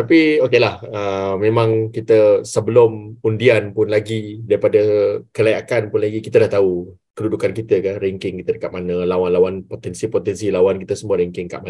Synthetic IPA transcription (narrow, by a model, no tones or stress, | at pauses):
t̪apiokelahəmẽmãŋkit̪əsəbəlumundianpʊnlaɡidaɾipadakəlajakanpʊnlaɡikit̪ədaht̪au | kədudukankit̪əkanɾɛŋkɪŋkit̪ədəkaʔ̪̚manəlawanlawanpot̪ɛnsipot̪ɛnsilawankit̪əsəmuəɾɛŋkɪŋka̰ʔma